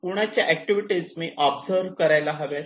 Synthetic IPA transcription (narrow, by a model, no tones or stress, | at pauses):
puɽ̃at͡ɕjaʔæk̚ʈiʋiʈizmiːʔɔbsəɾʋkəɾajlaɦaʋjat̪